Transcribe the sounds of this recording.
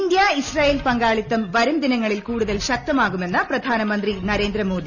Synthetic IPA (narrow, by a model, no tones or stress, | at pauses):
nd̪jaːisraːjeːlpɐŋɡaːɭit̪ːɐmʋɐɾumd̪inɐŋːɐɭilkuːɽuðɐlɕɐk̚t̪ɐmaːɣume̞nːɐpɾɐd̪ʱaːnɐmɐnd̪rinɐɾe̞ːnd̪ɾɐmoːd̪i